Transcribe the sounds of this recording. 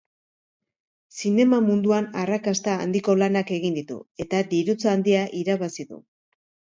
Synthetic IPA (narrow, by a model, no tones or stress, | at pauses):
sine̞mamund̪uanarakast̪a̰ːnd̪iko̞lanake̞ɣind̪it̪ṵe̞t̪ad̪iɾut͡sand̪iaʔiɾaβasiðṵ